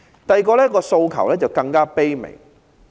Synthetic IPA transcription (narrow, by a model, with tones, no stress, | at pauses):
t̪ɐ˨jkɔː˧lɛː˥kɔː˧so˧wkʰɐ̰˨˩wlɛː˥t͡sɐ˨wkɐ˧ŋkaː˥pe˥jmɪ̰˨˩ŋ